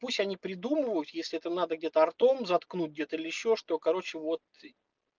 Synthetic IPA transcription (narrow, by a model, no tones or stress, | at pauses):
pusʲtʲɐnʲipɾʲɪd̪uməvəjʊt̪jesʲlʲɪɛt̪mnad̪əɡdʲe̞t̪əɐrt̪o̞mzɐt̪knut̚ʲɡdʲe̞t̪əilʲɪɪɕːo̞ʂt̪o̞kɐɾo̞t͡ɕɪvo̞t̪